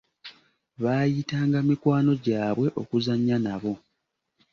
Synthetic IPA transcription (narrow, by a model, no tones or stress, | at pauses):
βaːjitaːŋɡamikwaːno̞ɟaːβwe̞ʔo̞̰kuzaɲːanaβo̞